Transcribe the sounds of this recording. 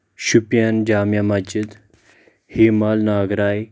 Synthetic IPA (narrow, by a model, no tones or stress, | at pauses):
ɕupjand͡ʑaːmjamad͡ʑid̪ | hemalnaːɡɾaːj